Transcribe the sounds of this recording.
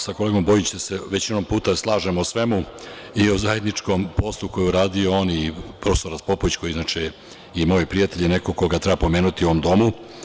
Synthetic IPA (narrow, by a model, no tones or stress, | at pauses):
sakole̞ːɡo̞mbo̞jit͡ɕd̪ase̞ʋe̞t͡ɕino̞mpuːt̪aslˠaːʒemosʋe̞mu | iozaje̞d̪nit͡ʃko̞mpo̞slˠuko̞jeuɾaːd̪io̞oːnipɾo̞feso̞ɾaspo̞poʋit͡ɕko̞jiznat͡ʃe | imo̞ːjopɾijat̪e̞ʎine̞ko̞koɡat̪ɾebapo̞meːnut̪io̞ʋomd̪o̞mu